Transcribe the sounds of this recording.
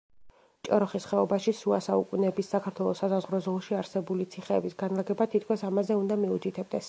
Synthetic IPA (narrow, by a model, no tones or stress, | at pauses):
t͡ʃʼɔ̰ɾɔχisχɛɔbaʃisuasaukʼunɛbisːakʰaɾt̪ʰwɛlˠɔsasazʁɾɔzɔlˠʃiaɾsɛbulit̪sʰiχɛːbisɡanlˠaɡɛbat̪ʰit̪̚ʰkʰwɛsamazɛund̪amiut̪ʰit̪ʰɛb̚d̪ɛs